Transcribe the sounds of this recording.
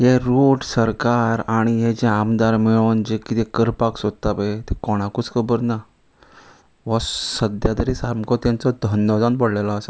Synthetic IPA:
ɦeɾoʈsəɾkaɾaɽ̃ijɛd͡ʑẽamd̪aɾmeɭənd͡ʑekit̪ekəɾpaksod̪̚t̪apet̪ɛkɔɽ̃ãkut͡skʰəbəɾna | ʋɔsəd̪jad̪əɾisaɾmkɔt̪jãnt͡sɔd̪ʱənd̪ɔd͡zanbəɽlelaːsa

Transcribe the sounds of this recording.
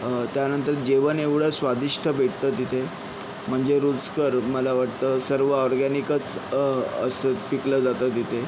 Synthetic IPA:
t̪janənt̪əɾd͡ʑeʋəneʋɽ̤əsʋad̪iʂʈʰəbʱeʈʰt̪ət̪it̪ʰe | m̤əɳd͡zeɾud͡zkəɾməlaʋaʈ̚t̪əːsəɾʋəɔɾɡanikət͡s | ə̰səpikləd͡zat̪ət̪it̪ʰe

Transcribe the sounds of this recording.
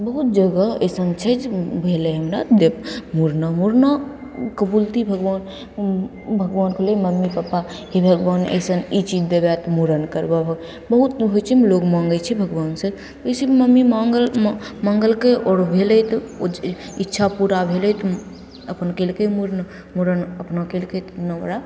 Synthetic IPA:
bəɦut̪̚d͡ʒəɡəə̰sənt͡ʃʰɛd͡ʒbʱelɛɦəmɾa̰d̪epmuɾnamuɾnakəbult̪ʰibʱəɡʋaːn | bʱəɡʋaːnkʰeleməmːipəpa | ɦibʱəɡʋaːnə̰sənit͡ʃid͡ʒd̪ebjat̪muɾənkəɾbabʱəɡ | bəɦut̪ɦot͡ʃʰimloɡmãːŋɡət͡ʃʰibʱəɡʋaːnse | əjsiməmːimɡəlməŋɡəlkeɔːɾbʱelɛt̪ | itːʃʰapuɾabʱelet̪ | əpənkelkemuɾn | muɾənəpnakelket̪nəmɾa

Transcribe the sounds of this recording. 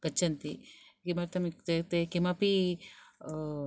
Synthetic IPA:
kɐt͡ʃːɐnt̪ikimɐɾt̪ɐmit̪et̪ekimapi

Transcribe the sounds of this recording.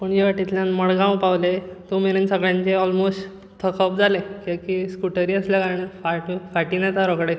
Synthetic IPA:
pəɳd͡ʑeʋaʈit̪ljãnməɭɡãwpaʋlet̪omeɾensəɡɭjaɲt͡ɕeɔlmosʈ | t̪ʰəkʰəp̚d͡zalekekiskuʈəɾiːəsljakaɾɳefaʈfaʈiːnet̪aɾɔkɽe

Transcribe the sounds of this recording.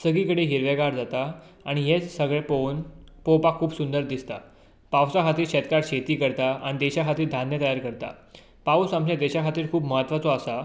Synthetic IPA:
səɡiːkəɽeɦiɾʋeɡaɾd͡zat̪a | aɽ̃iɦet͡ssəɡɭeponpowpakʰuːpsund̪əɾd̪ist̪a̰ | pawsakʰat̪iːɕɛt̪kaɾɕet̪iːkəɾt̪aa̰ɽ̃id̪eɕakʰat̪iːd̪ʱanjət̪əjaɾkəɾt̪a̰ | pausamt͡ɕed̪eɕakʰat̪iːɾkʰuːpməɦət̪ːʋat͡sɔasa

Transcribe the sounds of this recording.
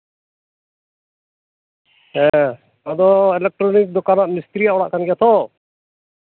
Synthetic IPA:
ɛ | ɔd̪ɔɛlɛk̚ʈɾonik̚d̪ɔkanaʔmɪst̪ɾijaʔɔɽa̰ʔkʰanɡɛjat̪ʰɔ

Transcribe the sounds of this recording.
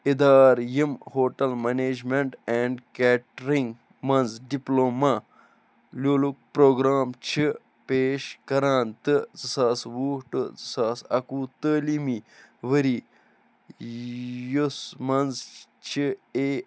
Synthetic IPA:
id̪aːɾjimhoːʈɐlmeneːd͡ʒmeɳʈɛ̃ːɳɖkɛːʈɾĩŋɡ | mɐnzɖiploːma | lʲjoːluk̚pɾoːɡɾaːmt͡ʃʰi | peːʃkɐɾãːnt̪ɨzɨsaːsʋuːʈɨzɨsaːsɐkuːt̪əːlimiʋəɾi | josmɐnz | t͡ʃʰieː

